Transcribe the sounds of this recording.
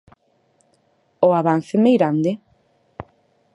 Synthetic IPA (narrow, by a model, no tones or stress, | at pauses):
oaβan̟θemejɣɾand̪e